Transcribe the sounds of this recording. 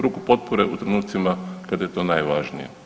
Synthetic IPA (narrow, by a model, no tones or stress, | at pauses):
ɾukupo̞t̪̚poɾe̞ut̪ɾenuːt̪simakad̪ajet̪o̞ːnaːjʋaʒnijḛ